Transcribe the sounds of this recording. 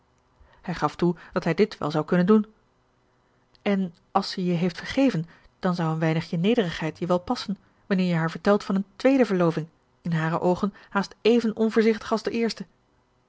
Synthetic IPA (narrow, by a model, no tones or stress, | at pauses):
hɛjχɑftud̥ɑtɦɛjdɪtʋɛ̰lˠzɑwkɵnəndun | ɛn | ɑlˠsəjəɦejftfəɹχejvən | d̥ɑnzɑwənʋɛjnəχjənejdərəχɦɛjtʰjəʋɛlˠpɑsən | ʋɑnɪːɹjəɦaːɹvəɹtɛlˠtfɑnəntʋejdəvəɹlowvɪŋ | ɪnɦaːɾə̰ʔowχənhaːstejvənɔnvʊːɹzɪχtə̥χɑlˠzdəʔɪːɹstə